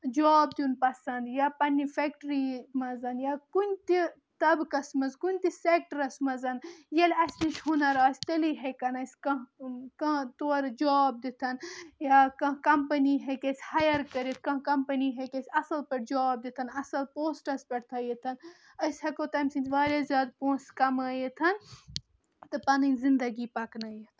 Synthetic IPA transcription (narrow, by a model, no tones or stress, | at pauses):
d͡ʒɔːb̚d̪junpɐsɐnd̪japɐnʲifek̚ʈɾimɐzɐnjakunʲt̪i | t̪ɐbkɐsmɐzkunʲt̪isek̚ʈəɾɐsmɐzɐnjɐlʲɐsʲniʃhunɐɾaːsʲt̪eliɦekɐnɐsʲkɐ̃ɦkɐ̃t̪oɐɾd͡ʒɔːb̚d̪it̪ʰɐnjakɐ̃kɐmpɐniɦekʲesʲhajɐɾkɐɾit̪̚ʰkɐ̃ɦkɐmpɐniɦekʲesʲɐsɐlpɐɾd͡ʒɔːb̚d̪it̪ʰɐnɐsɐlpoːsʈɐspɐɾt̪ʰɐjit̪ʰɐn | ɐsʲhɐkot̪ɐːmsinʲt̪ʋaːɾʲezʲjaːd̪̚põːnskɐmɐːjit̪ʰɐn | t̪ɨpɐnɐnzind̪ɐɡipɐknɐːjit̪ʰ